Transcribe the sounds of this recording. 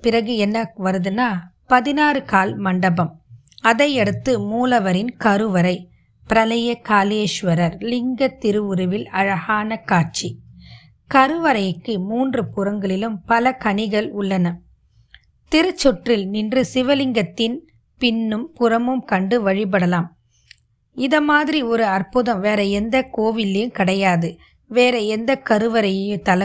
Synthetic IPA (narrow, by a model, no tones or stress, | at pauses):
pɪrɐɣɯɛnːɐʋɐɾɯðɯnaː | pɐðɪnaːɾɯkaːlmɐɳɖɐbɐm | ɐðɐɪɛɽɯt̪ːɯmuːlɐʋɐɾɪnkɐɾɯʋɐɾɐɪ | pɪɾɐlɐjɐkaːleːʂʋɐɾɐɾlɪŋɡɐt̪ːɪɾɯʊɾɯʋɪlɐɻɐɣaːnɐkaːt͡ʃi | kɐɾɯʋɐɾɐjɯkːɯmuːndrɯpʊɾɐŋɡɐɭɪlɯmpɐlɐkɐɳɪɣɐɭʊɭːɐnɐ | t̪ɪɾɯt͡ʃːɔʈrɪlnɪndrɯsɪʋɐlɪŋɡɐt̪ːɪn | pɪnːɯmpʊɾɐmɯmkɐɳɖɯʋɐɻɪp̬ɐɽɐlaːm | ɪðɐmaːðɪɾiɔɾɯɐrpɯðɐmʋeːɾɐɛnd̪ɐkoːʋɪlːejɯmkɪɽɐjaːðɯ | ʋeːɾɐɛnd̪ɐkɐɾɯʋɐɾɐjɐjɯt̪ɐlɐ